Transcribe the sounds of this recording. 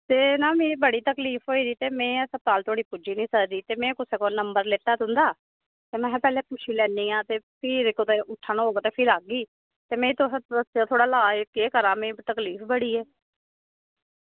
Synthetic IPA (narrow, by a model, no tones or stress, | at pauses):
t̪eːnãːmẽːbəɽiːt̪əkliːfʰɦoːiːd̪iːt̪eːmɛ̃ːsəp̚t̪aːlt̪ʰoaːɽiːpud͡ʒiːnĩːsəkd̪iːt̪eːmɛ̃ːkʊseːkoːnəmbəɾleːt̪aːd̪ʊ̃nd̪aː | t̪eːmɛ̃ːpɛːlɛːpʊʃʰiːlɛːniːãːt̪eːpʰɪːɾkot̪eːʊʈʰːaːnːɦoːɡaːt̪eːpʰɪɾaːɡiː | t̪eːmẽːt̪ʊəsaːt̪ʰoːɽaːlaːkeːkəɾãːmẽːt̪əkliːfbəɽiːɛː